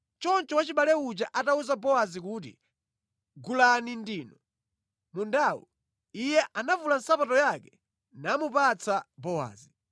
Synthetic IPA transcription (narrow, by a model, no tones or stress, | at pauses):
t͡ʃɔnt͡ʃɔwat͡ʃiɓalɛut͡ʃaʔatauzabɔwazikuːt̬ḭ | ɡulanindiːnɔ | mundawṵ | ijɛʔanavulan̩sapatɔjakɛ | namupat͡sʰabɔwa̰ːzi